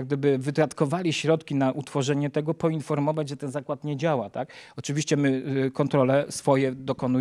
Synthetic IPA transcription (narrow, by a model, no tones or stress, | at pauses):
ɡ̚d̪ɘbɘvɘt̪ɾat̪kɔvalʲiɕɾɔt̪kʲinaʔut̪fɔʐɛɲɛt̪ɛɡɔpɔinfɔɾmɔvad͡ʑʐɛt̪ɛnzakwat̪ɲɛd͡ʑawat̪akɔt͡ʂɘvʲiɕt͡ɕɛmɘkɔnt̪ɾɔlɛsfɔjɛd̪ɔkɔnu